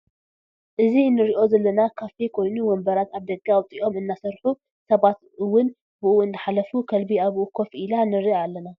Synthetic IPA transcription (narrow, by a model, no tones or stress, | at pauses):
ʔɨzinːɨɾiʔo̞zɐlːɐnakʰafikʰo̞jnuwɔmbɐɾat̪aβd̪ɐɡawt̪ʼiʔo̞mɨnːasɐɾħu | sɐβat̪ | ɨwːʊn | bɨʔuɨnd̪ɨħalɐfukʰɐlbiaβʔukʰo̞fʔilanɨɾiʔalːɐna